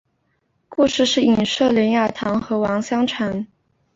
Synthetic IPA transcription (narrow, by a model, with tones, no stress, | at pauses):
ku˥˧ʂɻ̩˥˧ʂɻ̩˥˩i˨˩nʂɤ˥˩ljɛ˧˥nja˥˩t̪ʰɑ˧˥ŋxɤ˧˥wɑ˧˥ŋɕjɑ˥ŋʈ͡ʂʰa˧˥n